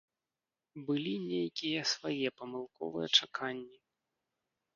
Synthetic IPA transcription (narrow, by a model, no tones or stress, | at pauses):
bɨlʲinʲejkʲijɛsvajɛpɐmɨlˠkɔ̰vɨjɛt͡ʂakʰanʲːi